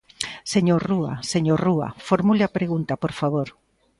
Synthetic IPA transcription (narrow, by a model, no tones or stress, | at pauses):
seɲoruɐ̰seɲorua̰foɾmuleɐpɾeɣunt̪apoɾfaβ̞oɾ